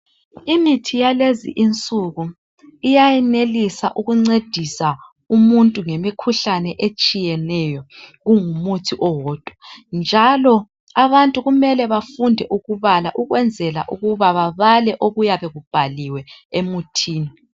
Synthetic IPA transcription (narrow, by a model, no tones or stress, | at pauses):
imitʰijalezḭʔint͡sʼuɣu | ijajɛnelisaʔuɣuŋ͡ǀed̥ʱisa | umuntʼuŋemikʰuɬanɛʔet͡ʃʼijɛnɛjɔɣuŋumutʰiʔɔwɔːd̥ʱɔnd͡ʒʱalɔ | aβantʼuɣumɛlɛβafundʱɛʔuɣuβalaʔuɣwɛnd͡zʱɛla̰ʔuɣuβaβaβalɛʔoɣujaβɛɣub̥ʱaliwɛemutʰiːni